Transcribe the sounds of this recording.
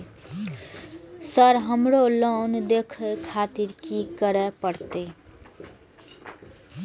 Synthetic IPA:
sʌɾɦʌmɾolond̪ekʰekʰat̪iɾkikʌɾepʌɾt̪e

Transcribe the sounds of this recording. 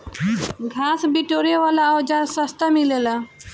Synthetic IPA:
ɡʱaːsbiʈoːɾeʋaːlaɔːd͡ʒaɾsəst̪amilelaː

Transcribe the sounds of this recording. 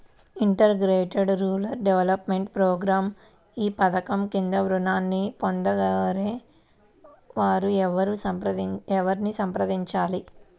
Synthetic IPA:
iɳʈɐɾɡɾeːʈeɖɾuːlɐɾɖeʋɐlɐpme̞ɳʈpɾoːɡɾaːm | iːpɐt̪ɐkɐmkind̪ɐʋɾunaːnːipond̪ɐɡɐɾeː | ʋaːɾuɛʋɐɾupɐɛʋɐɾnisɐmpɾɐd̪iɲt͡ʃaːli

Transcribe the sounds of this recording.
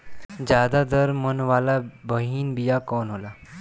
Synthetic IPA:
d͡ʑjad̪ad̪əɾmənʋalabəɦiːnbijakɔnɦola

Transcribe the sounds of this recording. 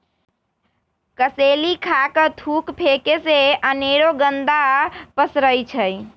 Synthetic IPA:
kəselikʰakət̪ʰukpʰekeseəneɾoɡənd̪apəsɾəjt͡ʃʰəj

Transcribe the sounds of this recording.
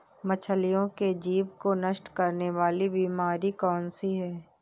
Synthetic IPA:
mɐt͡ʃʰəlɪjõked͡ʒiːʋkonəʃʈkɐɾneʋaːlibiːmaːɾikɔːnsiɦɛː

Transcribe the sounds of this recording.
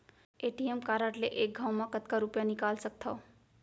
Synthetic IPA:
eʈijemkaɾʌʈleʔek̚ɡʱawmakʌt̪kaɾupjanikalsʌk̚t̪ʰʌ

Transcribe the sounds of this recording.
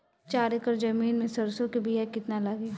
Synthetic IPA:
t͡ʃaːɾekəɾd͡ʒɐmiːnmẽsɐɾsõkebʱijɛkɪt̪nalɐɡe

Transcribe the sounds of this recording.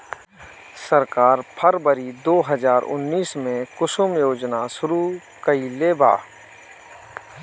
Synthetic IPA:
səɾkaːɾpʰəɾbəɾid̪oːɦəzaːɾʊ̰nːiːsmẽkʊsʊmjoːd͡ʒnaʃʊɾu | kəileːbʱa̰ː

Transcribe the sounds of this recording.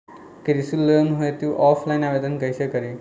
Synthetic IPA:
kiɾisulːənɦuet̪juʔɔfʰlajinaʋed̪ənkəjsekəɾi

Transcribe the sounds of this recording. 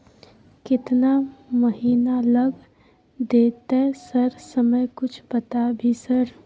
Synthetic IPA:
kɪt̪naməɦiːnaləɡ | d̪et̪esəɾsəməjkʊt͡ʃʰbət̪abʱisəɾ

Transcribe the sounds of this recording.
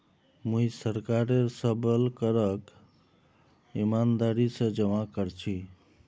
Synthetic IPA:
mũisəɾkaɾeɾsəbəlkəɾək | imand̪aɾisə̃d͡ʒəmakəɾt͡ʃʰi

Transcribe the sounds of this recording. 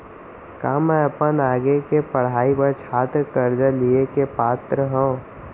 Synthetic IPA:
kaːmɛ̃ɐpənaːɡekepəɽ̤aːipəɾt͡ʃʰaːt̪ɾəkəɾd͡ʒəliekepaːt̪ɾəɦõː

